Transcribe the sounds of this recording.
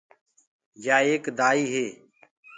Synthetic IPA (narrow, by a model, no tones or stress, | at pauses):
jaːeːkd̪aːiːɦeː